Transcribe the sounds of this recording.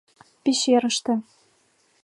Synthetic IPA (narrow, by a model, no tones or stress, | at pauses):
pʲiɕeɾɤ̆ʃt̪ɤ̆